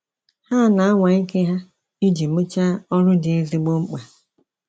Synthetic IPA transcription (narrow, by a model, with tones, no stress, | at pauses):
ha˦na˨a˦ŋʷa˨i˦ke˦ɦa˦ | i˦d͡ʒi˨mu˦t͡ʃa˦ɔ˦ɾʊ˦dɪ˨e˦zi˦ɡ͡bo˦ŋ͡m̩˦k͡pa˨